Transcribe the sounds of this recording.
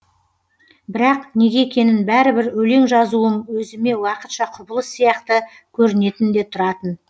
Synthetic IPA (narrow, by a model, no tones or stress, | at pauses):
bɪɾɑqne̞ɡʲe̞kʲe̞nɪnbæɾɪbɪɾɵle̞ŋʒɑzuənwɵzɪme̞wɑqət̪ʃɑqʰʊbəlˠəsːijɑqt̪ə | kʲʰɵɾɪne̞t̪ɪnd̪e̞t̪ʰʊɾɑt̪ən